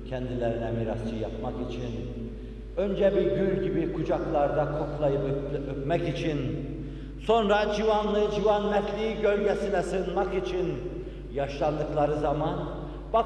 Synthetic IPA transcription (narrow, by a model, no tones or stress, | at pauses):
cʰɛnd̪ilʲæɾinɛmiɾast͡ʃʰɯjapmakit͡ʃʰin | ø̞nd͡ʒɛbiɟylʲɟibikʰud͡ʒaklˠaɾd̪akʰo̞klˠajɯpøpmɛcit͡ʃʰin | so̞nɾad͡ʒivanlˠɯd͡ʒivanːɛtlʲiiɟølʲɟɛsinɛsɯnmakit͡ʃʰin | jɑʃlˠand̪ɯklˠaɾɯzaman | b̥a